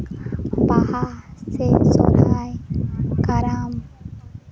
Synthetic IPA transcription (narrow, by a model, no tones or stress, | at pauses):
pahaseso̰ɾaajkaɾam